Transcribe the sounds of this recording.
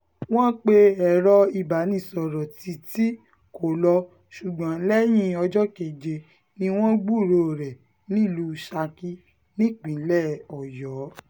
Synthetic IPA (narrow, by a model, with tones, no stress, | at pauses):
w̃ɔ̃˦k͡pe˧ɛ˨ɾɔ˧i˨ba˨˦nĩ˧˦˨sɔ˨ɾɔ˨ti˧˦ti˦ | ko˨lɔ˧ | ʃu˨ɡ͡bã˨˦lɛ˦j̃ĩ˦ɔ˧d͡ʒɔ˦ke˨d͡ʒe˧ | nĩ˧w̃ɔ̃˦ɡ͡bu˦˨ɾo˨ɾɛ˨ | nĩ˦˨lu˧ʃa˧ki˦ | nĩ˦˨k͡pĩ˨˦lɛ˦˨ɔ˨jɔ˨˦